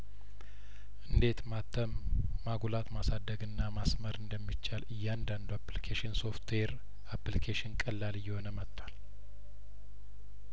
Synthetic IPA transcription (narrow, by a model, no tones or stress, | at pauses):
ʔɨnd̪e̞t̪mat̪ːəmːaɡulat̪masad̪ːəɡɨnːamasməɾɨnd̪əmːit͡ʃːalɨjːand̪and̪uaplikʰeʃɪnso̞ft̪ʰweɾ | aplikʰeʃɪnkʼəlːalɨjːɛho̞nəmət̪ʰːwal